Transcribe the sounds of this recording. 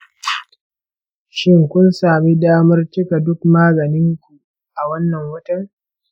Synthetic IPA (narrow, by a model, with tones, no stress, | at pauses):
ʃɪ˦ŋkʷʊ˦nsaː˨mi˦daː˦mɐ˦rt͡ʃɪ˦ka˨dʊ˦k̚maː˦ɡɐ˨nɪ˦ŋkʷu˨ | ʔa˨wɐ˦nːɐ˨ŋwɐ˦tɐ˦ŋ